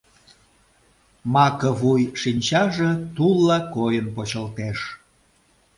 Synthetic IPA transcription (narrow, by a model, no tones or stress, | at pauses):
mɑkəβujʃinʲt͡ɕɑʒĕt̪ulːɑkojənpot͡ɕəlt̪eʃ